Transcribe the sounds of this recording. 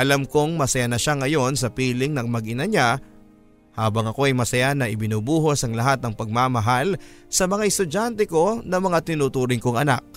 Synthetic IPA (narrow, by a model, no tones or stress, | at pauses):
ʔɐlamkoŋmɐsɐjanɐʃaŋɐjo̞nsɐpiːlɪŋnɐŋmɐɡʔɪnɐɲa | haːbɐŋɐko̞ɐjmɐsɐjanɐʔɪbɪnuːbuːɦo̞sɐŋlɐɦat̪̚nɐŋpɐɡ̚mamɐɦalsɐmɐŋaʔɛst̪ʊd͡ʒant̪ɛko̞nɐmɐŋat̪ɪnuːt̪uːɾɪŋkoŋʔɐna̰k̚